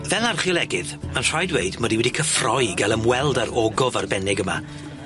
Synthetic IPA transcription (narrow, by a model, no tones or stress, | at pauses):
vɛlarχiɔlˠɛɡɪðmənr̥ajdweɨdmɔdiwɛdikʰəfrɔjɡalˠəmwɛlˠdaɾɔɡɔvarbɛnɪɡəma̰